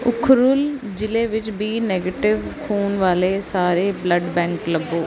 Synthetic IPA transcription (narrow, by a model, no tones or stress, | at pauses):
ʊkʰɾʊl | d͡ʒɪleːʋɪt͡ʃbʱiːneːɡeːʈɪʋkʰuːnʋaːleːsaːɾeːbləɖbɛ̃ːŋkləbːoː